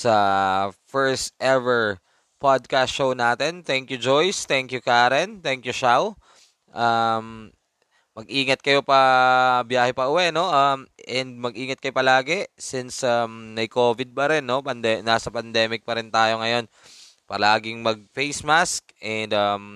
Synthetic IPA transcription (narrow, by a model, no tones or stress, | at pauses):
sɐfɛɹst̪ʔɛvɛɹ | pad̪̚kast̪ʃownaːt̪ɛnt̪ɛŋkjud͡ʒojst̪ɛŋkjʊkaːɾɛnt̪ɛŋkjuʃaw | ʔɐm | mɐɡʔiːŋɐt̪̚kɐjo̞pɐbjaːhɛpɐʔʊwɛʔno̞ʔɐmʔɛnd̪̚mɐɡʔiːŋɐt̪kɐjopɐlaːɡɛsɪnsɐmnɐjkoːvɪd̪̚pɐɾɛnːo̞pɐnd̪ɛnaːsɐpɐnd̪ɛːmɪk̚pɐɾɪnt̪aːjo̞ŋɐjo̞n | pɐlaːɡɪŋmɐɡ̚fejsmaskʔɛnd̪ɐm